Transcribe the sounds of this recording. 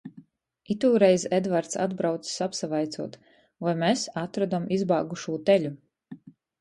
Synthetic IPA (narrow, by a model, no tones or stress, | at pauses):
it̪uːɾɛjzɛd̪vaɾt̪sa̰d̪bɾawt̪ssapsavajt̪suɔt̪ | vajmesat̪ɾad̪amizbɑːɡuʃuːt̪ɛʎʲu